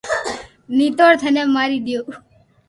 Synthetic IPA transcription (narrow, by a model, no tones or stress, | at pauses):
nit̪oːɽt̪ʰənemaːɾid̪joː